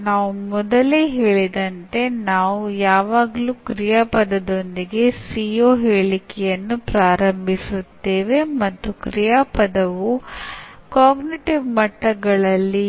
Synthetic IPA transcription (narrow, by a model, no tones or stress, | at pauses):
naːʋumɔd̪ɐleːɦe̞ːɭid̪ɐnt̪e̞naːʋujaːʋaːɡɐluːkɾijaːpɐd̪ɐd̪o̞nd̪iɡe̞sijoːɦeːɭikɛjɐnːupɾaːɾɐmbʱisut̪ːe̞ːʋe̞mɐt̪ːukɾijaːpɐd̪ɐʋu | kaːɡniʈiʋmɐʈːɐɡɐɭɐlːi